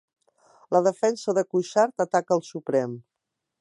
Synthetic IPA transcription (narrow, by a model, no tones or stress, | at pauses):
ləðəfɛnsəðəkuʃaɾt̪ət̪akəlˠsupɾɛm